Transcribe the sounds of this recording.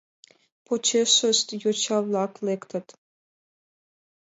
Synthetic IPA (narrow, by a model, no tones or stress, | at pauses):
pʰot͡ɕʰeʂəst̪jot͡ɕʰɑvlˠɑklekt̪ʰət̪